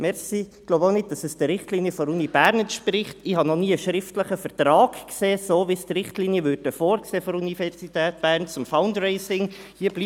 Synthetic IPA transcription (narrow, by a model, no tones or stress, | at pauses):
mɛɾsiɡ̥loʊbonɪd̚d̥ɑsəsd̥əɾɪχtliːnjəfɔɾunib̥æːɾnɛntʃprɪχtɪhɑnɔniːəʃɾɪftləχəfəɾtɾɑːkkseːsoːʋistrɪχtliːnjəvʉːɾdəfoːɾkseːfɔɾunifɛɾsitɛːt̚b̥æːɾnt͡sʊmfaʊndreɪsɪŋ | hiːəb̥liː